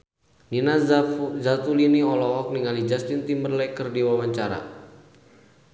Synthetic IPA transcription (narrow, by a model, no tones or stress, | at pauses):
ninazat̪uliniɔlɔɦɔk̚niŋalid͡ʒast̪int̪imbərlajkərdiwawaɲt͡ʃaɾa̰